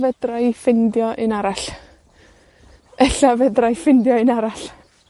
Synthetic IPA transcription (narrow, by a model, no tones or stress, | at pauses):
vɛdrajfɪndjɔʔɨnaɾaɬ | ɛɬavɛdrajfɪndjɔɨnaɾaɬ